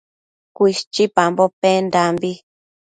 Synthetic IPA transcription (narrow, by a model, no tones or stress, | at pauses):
kʷiʃt͡ʃipambopẽnd̪ambi